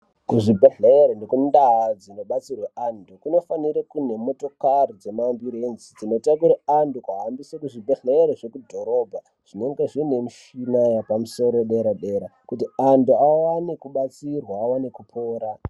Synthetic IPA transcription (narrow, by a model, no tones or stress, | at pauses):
kuʐibʱeɮeɾendekundad͡zino̞ɓat͡sirweʔandukuno̞faniɾekune̞mo̞to̞karid͡ze̞mambiɾenzid͡zino̞tak̬uɾaandukaɦambisakuʐibʱeɮeːɾeʐe̞kudʱo̞ɾo̞bʱa | ʐ̥ine̞ŋɡeʐine̞miʃinajapamuso̞ɾoɗeɾaɗe̞ɾakutianduawanekuɓat͡sirwaːwanekupʰo̞ːɾa